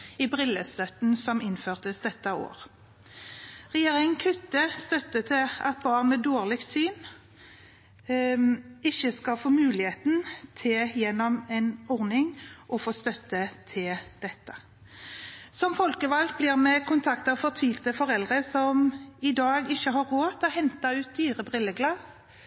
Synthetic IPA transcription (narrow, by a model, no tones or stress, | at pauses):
ɪbʁɪlːəst̪œt̪nsɔmɪnføːʁt̪əsd̪ɛt̪ːəo̰ːʁ | ʁɛjeːʁɪŋnkʰʉt̪ːəst̪œt̪ːət̪ʰɪlɑt̪̚bɑːʁnmɛd̪oːʁlɪk̚t̪syːn | ɪçːəskɑfoːmʉːlɪheːt̪nt̪ʰɪljɛnːɔmɛnɔʁnɪŋʔɔfoːst̪œt̪ːət̪ʰɪld̪̥ɛt̪ːə | sɔmfɔlkəʋɑlk̪̚blɪʁmɛkʰʊnt̪ʰɑkt̪ɑʋfɔt̪ʰʋiːlt̪əfɔɾɛld̪ʁəsɔmɪd̪ɑːɡɪçəɦɑɾːoːt̪ʰɪlɔɦɛnt̪ɑʉːt̪̚d̪yːʁəbʁɪlːəɡlɑs